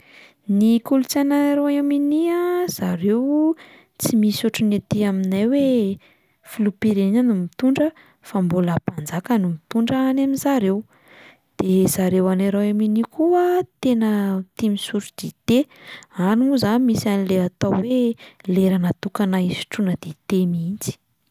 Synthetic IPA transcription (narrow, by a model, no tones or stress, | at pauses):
nikulut͡sanaeɾoaaminiaz̥aɾew | t͡simisuʈ͡ʂunet̪iaminajwe | fulupiɾenanumit̪uɳɖ͡ʐə | fambolapand͡zakanumit̪uɳɖ͡ʐaanaminzaɾew | d̪̥ez̥aɾewanaɾoaminikʰuət̪enət̪imisuɾud̪̥it̪eanimuzanimisanileat̪aweleɾanat̪ukanaisi̥ʈ͡ʂunəd̪̥et̪emint͡si̥